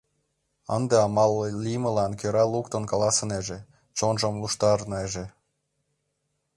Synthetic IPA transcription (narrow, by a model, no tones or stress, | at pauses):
ə̰nd̪eɑmɑlːijmə̆lɑnkøɾɑlukt̪ə̆nkɑlɑsəneʒe | t͡ɕonʒɤ̆mluʃt̪ɑɾneʒe